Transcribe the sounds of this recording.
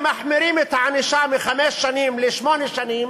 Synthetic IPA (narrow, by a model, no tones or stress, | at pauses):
maħmɪɾiːmɪt̪ʕaniʃaːmixameːsʃaniːmlɪʃmoːniʃaniːm